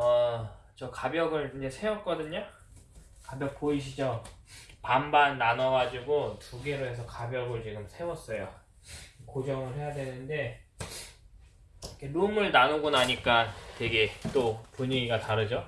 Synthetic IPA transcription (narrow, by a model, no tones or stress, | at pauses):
ʌt͡ɕʌkabjʌɡɯɭiɲd͡ʑe̞sʰe̞wʌt̚k͈ʌdɯɲa | kabjʌk̚poiɕʰid͡ʑo | pambanːanʌɡad͡ʑiɡotuɡeɾoe̞sʰʌkabjʌɡɯɭt͡ɕiɡɯmsʰe̞wʌs͈ʌjo | kod͡ʑʌŋɯɭɦe̞jadwe̞nɯnde̞ | ikʰe̞nomɯɭnanoɡunaɲik͈atwe̞ɡe̞t͈opoɲiɡiɡataɾɯd͡ʑo